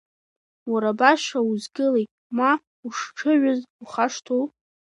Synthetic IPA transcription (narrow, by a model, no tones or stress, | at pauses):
waɾabaʃauzɡɨlejt | ma | uʂʈ͡ʂʰɨɥʊzuχaʂtʰu